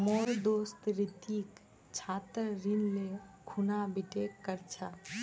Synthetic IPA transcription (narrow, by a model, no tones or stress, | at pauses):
moɾd̪ost̪ɾit̪ik | t͡ʃʰat̪ɾɾinlekʰunabiʈekːəɾt͡ʃʰa